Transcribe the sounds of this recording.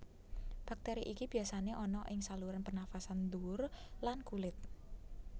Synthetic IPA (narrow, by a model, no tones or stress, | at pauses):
b̥ak̚t̪eɾiʔikib̥i̤jasaneʔɔnɔʔɪŋsaluɾanpərnafasand̪urlankulɪt̪̚